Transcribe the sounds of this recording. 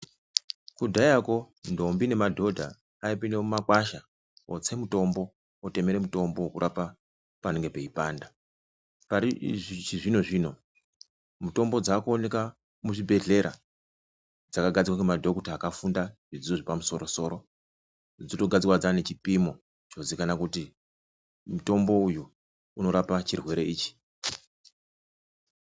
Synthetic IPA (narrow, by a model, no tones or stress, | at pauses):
kudʱajako̞ | ndo̞mbine̞madʱo̞dʱa | aipinemumakwaʃa | ot͡se̞muto̞mbo̞ | ote̞me̞ɾe̞muto̞mbowokuɾʔapa | pane̞ŋɡe̞pe̞ipaːnda | paɾit͡ʃiʐino̞ʐiːno̞ | muto̞mbo̞d͡zakuone̞ka | muʐibʱe̞ɮe̞ɾa̰ | d͡zakaɡʱad͡zikwakemadʱo̞kutaːkafundaʐ̥id͡zioʐipamuso̞ɾo̞so̞ːɾo̞ | d͡zito̞ɡʱad͡zikwad͡zane̞t͡ʃipimo | t͡ʃozikanakuti | muto̞mbo̞uju | uno̞ɾapat͡ʃirwe̞ɾe̞iːt͡ʃi̥